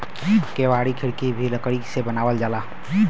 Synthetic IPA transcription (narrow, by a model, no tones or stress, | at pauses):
keːʋaːɽikʰɪɽkibʱiləkɽisebənaːʋəld͡ʒaːlaː